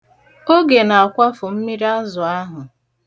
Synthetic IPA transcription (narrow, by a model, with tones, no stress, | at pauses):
o˦ɡe˨na˨a˨kʷa˦fʊ˨m̩˦mi˦ɾa˦zʊ˨a˦ɦʊ˨